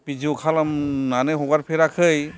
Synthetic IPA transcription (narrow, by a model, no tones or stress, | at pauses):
pid͡ʒiwkʰalamnanɯɦɔɡaɾpʰeɾakʰɯj